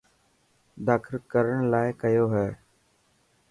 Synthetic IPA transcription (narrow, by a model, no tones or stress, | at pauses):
d̪aːkʰɪlkəɾəɳlaːɪkəjoːɦɛː